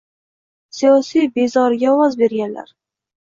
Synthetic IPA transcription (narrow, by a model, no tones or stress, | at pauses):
sijɒsijbe̞zɒɾɡʲaɒwɒzbe̞ɾɡʲanla̰ɾ